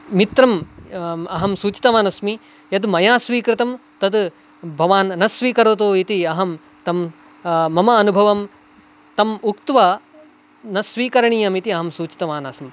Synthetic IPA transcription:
mit̪ɾɐm | ɐɦɐmsuːt͡ʃi̥t̪ɐmaːnɐsmi | jɐd̪mɐjaːsʋiːkɾɪt̪ɐmt̪ɐd̪ | bʱɐʋaːnnɐsʋiːkɐɾut̪oːit̪iɐɦɐm | t̪ɐmː | ɐmɐːnubʱɐʋɐm | t̪ɐmukt̪ʋɐ | nɐsʋiːkɐɾɐɳijɐmit̪iɐɦɐmsuːt͡ʃi̥t̪ɐʋaːnaːsɐm

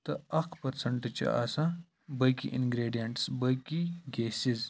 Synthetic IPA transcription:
t̪ɐɐqpɐɾsɐɳʈɐt͡ɕɐ̰ʔa̰ːsã | bɐkḭʔinɡɾeːɖijɐɳʈsbɐjkiɡeːsiz

